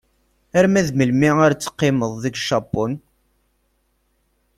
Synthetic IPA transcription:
æɾmæðməlmiaɾt͡sːə̥qːɪməðˤðəɡʃɑbɔn

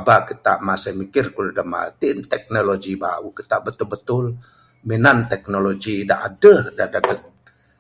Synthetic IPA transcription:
abakit̪a̰ʔmasəhmikɪrkulədəma̰t̪iʔnt̪ɛk̚noloɡiba̰ukit̪aʔbət̪ulbət̪ʊl | minant̪ɛk̚noloɡida̰ʔadəhdadadə

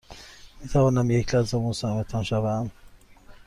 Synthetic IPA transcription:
mit̪ʰævɒːnæmjecʰlæzɔmusamet̪ʰɒnʃævæm

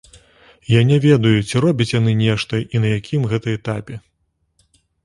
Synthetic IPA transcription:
janʲɛvʲɛd̪ɐjut͡sʲiɾɔbʲit͡sʲjanɨnʲɛʂt̪ɐʔinɐjakʲimɣɛt̪ɨjɛt̪apʲɛ

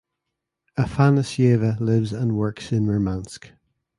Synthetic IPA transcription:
əfanəsjeːvəlɪvzə̃nwɜ˞ksɪ̃nɹomãnsk

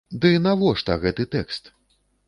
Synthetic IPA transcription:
d̪ɨnavɔʂt̪ɐɣɛt̪ɨt̪ɛkst̪

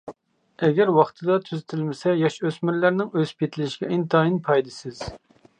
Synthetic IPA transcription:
ɛɡʲɛɾwɑχt̪ʰɨd̪ɑt̪ʰyzɪt̪ʰɪlmɪsɛjɑʃøsmyɾlæɾnɪŋøzpʰʲet̪ʰɪlɪʃɡʲɛint̪ʰɑːjinpʰɑjd̪ɨsɪz̥

